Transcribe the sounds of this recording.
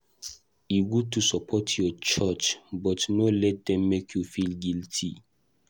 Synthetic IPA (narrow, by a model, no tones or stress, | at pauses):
iɡud̚tusɔpʰɔtʰjɔt͡ʃat͡ʃbɔtnɔlɛt̚dɛ̃mːekʰjufilɡiltʰḭ